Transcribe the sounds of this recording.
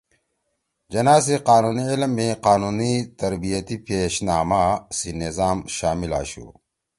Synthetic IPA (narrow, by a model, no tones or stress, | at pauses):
d͡ʑɐnaːs̬iqaːnuːniilmːiqaːnuːnit̪ɐɾbijɐt̪ipeːɕnaːmasinizaːmɕaːmila̰ːɕṵ